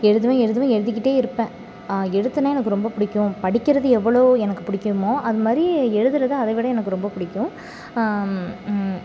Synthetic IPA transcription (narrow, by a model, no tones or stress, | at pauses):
ɛɻɯðɯʋẽɛɻɯðɯʋẽɛɻɯðɪk̬ːɪʈːeːɪɾɯpːẽː | ɛɽɯt̪ːɯnaːjɛnɐkːɯɾɔmbɐpʊɽɪkːʊ̃pɐɽɪkːɪɾɐðɯɛʋːɐɭoːɛnɐkːɯpʊɽɪkːmoːʔɐðɯmaːd̪ɾiɛɻɯðɯɾɐðɯɐðɐʋɪɽɐɛnɐkːɯɾɔmbɐpʊɽɪkːʊ̃